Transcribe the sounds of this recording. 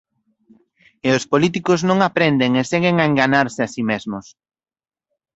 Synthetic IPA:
eʊspolit̪̬ikʊznõŋapɾend̪eŋeseɣeŋaeŋɡaɲaɾsɪasimezmʊs

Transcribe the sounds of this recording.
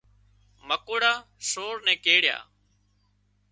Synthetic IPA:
məkoːɽaːsoːɾnɛ̃ːkeːɽɪja̰ː

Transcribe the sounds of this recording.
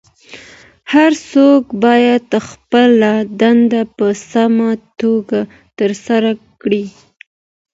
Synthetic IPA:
haɾsokbɑjad̪xpəlad̪and̪apəsamat̪oɡa | t̪əɾsaɾakɽi

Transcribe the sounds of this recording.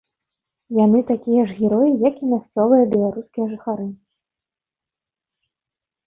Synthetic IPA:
janɨt̪akʲijɐʐɣʲɛɾɔjijɐkimʲasʲt͡ssʲɔvɨjɐbʲɛlˠaɾuskʲijɐʐɨxaɾɨ

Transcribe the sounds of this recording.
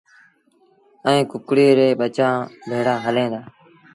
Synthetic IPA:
əĩːkʊkɽeːɾeːɓət͡ʃãːbʱeːɽaːɦəlẽːd̪aː

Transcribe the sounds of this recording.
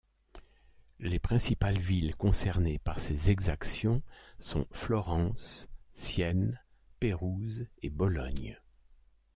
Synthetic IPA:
lepχɛ̃sipalvilkɔ̃sɛʁnepaʁsezɛɡzaksjɔ̃sɔ̰̃flɔʁɑ̃sːjɛn | peʁuzebɔlɔɲ

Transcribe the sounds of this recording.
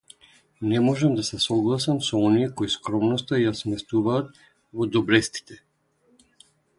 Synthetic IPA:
nɛmɔʒamd̪asɛsɔɡlˠasamsɔɔnijɛkɔiskɾɔmnɔst̪ajasmɛst̪uvaːt̪̚ | vɔd̪ɔbɾɛst̪i̥t̪ɛ

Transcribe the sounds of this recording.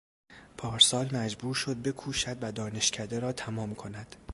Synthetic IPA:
pʰɒːɾsɒːlmæd͡ʒbuːɾʃo̞d̪̚be̞kʰuːʃæd̪væd̪ɒːne̞ʃcʰæd̪eɾɒːt̪ʰæmɒːmkʰo̞næd̪̥

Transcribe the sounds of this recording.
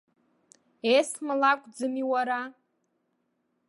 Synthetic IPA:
esmɨlakʷʰʼd͡zɨmiwaɾa

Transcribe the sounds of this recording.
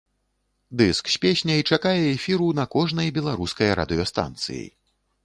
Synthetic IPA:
d̪ɨsksʲpʲesʲnʲɐit͡ʂakajɛɛfʲiɾunɐkɔʐnɐjbʲɛlˠaɾuskɐjɐɾa̰d̪ɨjɔst̪a̰nt̪sɨ̰jḭ

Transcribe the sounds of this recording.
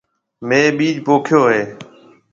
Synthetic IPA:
mẽːɓiːd͡ʒpoːkʰjoːɦeː

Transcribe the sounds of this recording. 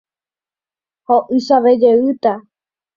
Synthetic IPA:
hoʔɨsaʋed͡ʒeʋɨt̪a

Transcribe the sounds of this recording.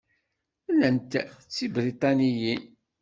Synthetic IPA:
lːənt̪t͡sːibɾit̪ˤɑnijin

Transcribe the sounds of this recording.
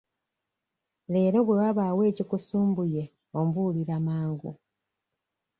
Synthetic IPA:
le̞ːɾo̞βwe̞waβaːwe̞ːcikusuːmbuje̞ | ombuliɾamaːŋɡṵ

